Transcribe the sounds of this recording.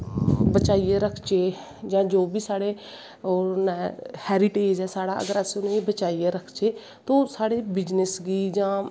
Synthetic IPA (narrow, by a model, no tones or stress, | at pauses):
bət͡ʃaːiːeːɾəkʰt͡ʃeː | d͡ʒãːd͡ʒoːbiːsaːɽeː | onɛːhɛːɾɪʈeːd͡ʒɦɛːsaːɽaːə̰ɡəɾəsʊnẽːiːbət͡ʃaːijeːɾəkʰt͡ʃeː | t̪õːsaːɽeːbɪd͡ʒnəsɡiːd͡ʒãː